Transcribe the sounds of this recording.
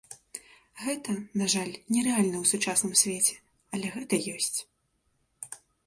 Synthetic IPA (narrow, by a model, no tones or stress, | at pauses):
ɣɛt̪ɐnaʐalʲnʲɛɾɛalʲnɐwsut͡ʂasnɨmsʲvʲet͡sʲɛ̥ | ɐlʲɛɣɛt̪ɐjɔsʲt͡sʲ